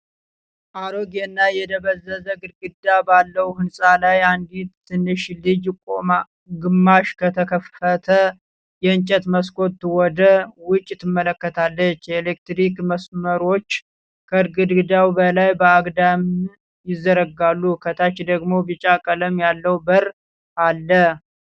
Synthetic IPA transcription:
ʔaɾoɡɛnːajɛd̪əβəzːəzəɡɨɾɡɨd̪ːabalːəwhɨnsʼalajand̪it̪t̪ʰːɨnːɨʃlɨd͡ʒkʼoma | ɡɨmːaʃkʰət̪ʰəkʰəfət̪ʰə | jɛɨnt͡ʃʼət̪məskʰo̞t̪ːwɔd̪əwʊt͡ʃʼːɪt̪ːɨmːələkːət̪ʰalːət͡ʃːjɛelekt̪ɾikməsməɾo̞t͡ʃː | kʰəɨɾɡɨd̪ɡɨd̪awbəlajbəaɡd̪am | jɪzːəɾəɡalːukʰət̪ʰat͡ʃːd̪əɡmo̞bɨt͡ʃʼakʼələmjalːəwbəɾ | ʔalːə

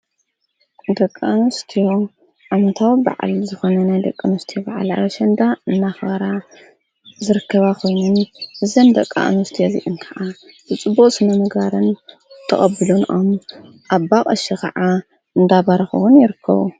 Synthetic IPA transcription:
d̪ɐkʼːanost̪ʰijo̞ | ʕamɐt̪ʰawba̰ʕa̰lzɨxo̞nɐnajd̪ɐkʼːɐnost̪ʰijobaʕa̰la̰βɐʃɐnd̪aɨnːaxbɐɾa | zɨɾɨkʰːɐβakʰo̞jnunɨzɐnd̪ɐkʼːa̰ʔnost̪ʰijozḭʔɨnkʰɐʕazɨt͡sʼɨbːukʼsɨnɐmɐɡaɾɨn | t̪ʰɐχʼɐbːɨlunʔom | ʔaβːakʼɐʃɐkʰɐ̰ʕa | ɨnd̪aβaɾɐxɨ̰wunjɪɾɨkʰːɐ̰βu

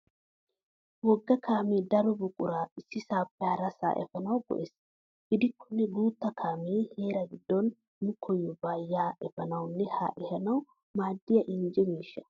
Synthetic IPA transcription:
wɔɡːɐkʰaːmeːd̪ɐɾɔbʊkʼʊɾaːɪsːɪsaːpːɛhɐɾɐsa̰ːʔɛ̰fɐnɐwɡɔ̰ʔeːs | ɡ̥ɪd̪ɪkʰːɔnːɛɡuːt̪ːɐkʰaːmeːhe̞ːɾɐɡɪd̪ːɔn | nʊkʰɔjːɔbaːjːaːʔɛfɐnɐwnːɛha̰ʔɛhɐnɐw | maːd̪ːɪjɐʔɪnd͡ʒɛmiːʃːɐ̥

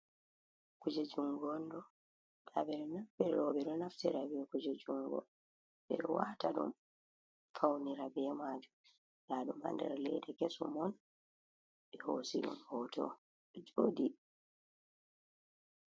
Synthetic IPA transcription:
kud͡ʒɛd͡ʒuŋɡɔndɔ | ɗabɛɗɔnafbɛɔbɛɗɔnaftiɾabɛɔkud͡ʒɛd͡ʒuŋɡɔ̰ | bɛ̰ɗɔwaːtaɗṵm | fawniɾabɛmaːd͡ʒu | laːɗuma̰ndɛ̰ɾalɛ̰dɛkesɔmɔn | ɓɛhosiɗṵmhɔtʰɔ̰ | ɗɔd͡ʒoːdi

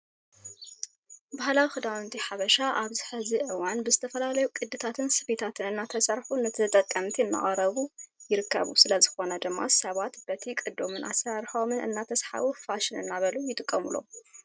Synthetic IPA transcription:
bahlawixɨd̪awnt̪ʰiħaβɐʃaʔaβzɨħɨziʔɨwanbɨzɨt̪ʰɐfɐlalɐjukʼɨd̪ːɨt̪ʰat̪ʰɨnsɨbet̪ʰat̪ʰɨnɨnːat̪ʰɐsɐɾħunɨt̪ʰt̪ʼɐkʼːɐmt̪ʰiɨnːa̰χʼɾɐβujɪɾɨkʰːɐ̰βṵsɨlɐzɨxo̞nɐd̪ɨmːa̰sɐβat̪bɐt̪ʰikʼɨd̪ːomɨnʔa̰saɾħo̞mɨnʔɨ̰nːat̪ʰɐsħa̰βufaʃɪnɨ̰nːaβɐlujɪt̪ʼɨkʼːɐmulo̞̰

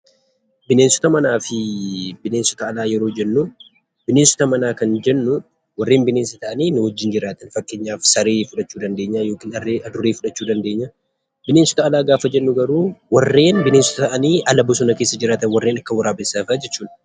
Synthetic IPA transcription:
bɪneːnsɔ̥t̪ɐmɐnaːfɪbɪneːnsɔ̥t̪ɐːlaːjɛɾoːd͡ʒɛnːʊ | b̥ɪneːnsɔ̥t̪ɐmɐnaːkɐnd͡ʒɛnːʊ | wɐrːe̞ːnbɪneːnsɐt̪ɐʔɐniːnʊhɔd͡ʒːɪnd͡ʒɪɾaːt̪ɐnfɐkːe̞ːɲːaːfsɐɾeːfʊᶑɐt͡ʃːuːd̪ɐnd̪e̞ːɲːaːjo̞ːkɪnɐrːeːʔɐd̪ʊɾeːfʊᶑɐt͡ʃːuːd̪ɐnd̪eːɲːa | bɪneːnsɔ̥t̪ɐːlaːɡaːfɐd͡ʒɛnːʊɡɐɾuːwɐrːe̞ːnbɪneːnsɔ̥t̪ɐt̪ɐʔɐniːɐlɐbɔs̬ɔnɐke̞ːsːɐd͡ʒɪɾaːt̪ɐnwɐrːeːnɐkːɐwɐɾaːbesaːfad͡ʒɛt͡ʃːuːᶑɐ̥

